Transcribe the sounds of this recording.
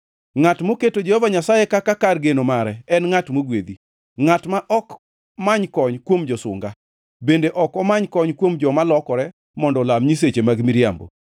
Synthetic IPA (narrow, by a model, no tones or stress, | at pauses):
ŋatmoketod͡ʒehɔvaɲasajekakakarɡenomaɾɛɛnŋatmoɡwed̪i | ŋatmaʔɔk | maɲkɔɲkwomd͡ʒɔsʊ̰ŋɡa | bendeʔɔkɔmaɲkɔɲkwomd͡ʒɔmalɔkɔɾɛ | mɔndɔlamɲis̬et͡ʃemaɡmiɾjambo̰